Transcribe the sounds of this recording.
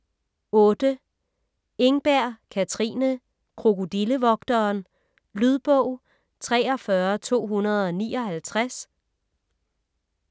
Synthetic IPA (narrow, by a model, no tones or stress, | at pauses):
ɔ̽ːd̥ə | e̝ŋb̥æɐ̰kʰæt͡sʰʁḭːnə | kʰʁo̝ɡod̥iləʋɒ̽ɡ̥̚d̥ɐːn | lyð̞ˠb̥ɔʊ̰ | t͡sʰʁɛ̰ːɒ̽fɶɐt͡sʰo̝̰ːɦunɐð̞ˠɒ̽nḭːɒ̽hælt͡sʰʁas